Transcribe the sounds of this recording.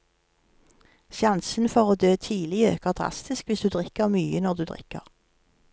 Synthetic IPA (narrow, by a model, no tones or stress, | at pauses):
sjɑnsn̩fɔʁoːd̪øːt̪ʰiːlɪø̰ːkəʁd̪ʁɑ̰st̪ɪskʋɪsd̪ʉːd̪ʁɪkəʁmyːənɔd̪ʉːd̪ʁɪ̰kə̰ʁ